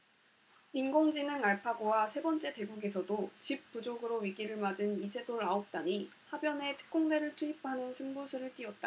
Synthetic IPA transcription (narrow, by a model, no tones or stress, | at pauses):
inɡoŋd͡ʑinɯŋaɭpʰaɡowasʰe̞bʌnt͡ɕ͈e̞te̞ɡuɡe̞sʰʌdot͡ɕip̚p͈ud͡ʑoɡɯɾoɥiɡiɾɯɭmad͡ʑɯnisʰe̞doɾaok̚t͈aɲihabjʌne̞tʰɯ̥k̚k͈oŋde̞ɾɯɭtʰuip̚ʰanɯnsʰɯmbusʰuɾɯɭt͈iʌt̚t͈a